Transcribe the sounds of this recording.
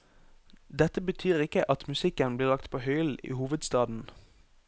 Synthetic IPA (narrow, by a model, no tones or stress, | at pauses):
d̪ɛt̪əbət̪ʰyːʁɪkəʔɑt̪mʉsɪkənbliːʁlɑk̚t̪pʰoːhœʏlḭːhuːʋəd̪st̪ɑːd̪n̩